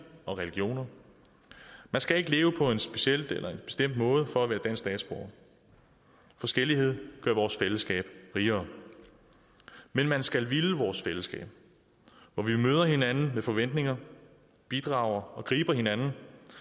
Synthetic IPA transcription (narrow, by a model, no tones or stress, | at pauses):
ɒ̽ʁɛliɡ̥jo̝̰ːnɐ | mænsɡ̥æe̝ɡ̥əle̝ːʊəpʰɒ̽e̝nsb̥e̝ɕel̰d̥elʔɐe̝b̥e̝sd̥em̰d̥mɔ̽ːð̞ˠfɒ̽æʋæːɐd̥æn̰sd̥ɛ̰ːd̥sb̥o̝̰ɐ | fɒ̽sɡ̥el̰ihe̝ð̞̰ˠɡ̥ɶɐ̰ʋɒːsfeləsɡ̥ɛ̰ːb̥ʁiːɐː | menmænsɡ̥ælʋiləʋɒːsfeləsɡ̥ɛ̰ːb̥ | ʋɒʋimøːð̞ˠɐhe̝nænn̩meðfɒ̽ʋen̰d̥ne̝ŋɐ | b̥id̥ʁɑ̈ʊ̰ɐɒ̽ɡ̥ʁḭːb̥ɐɦe̝nænn̩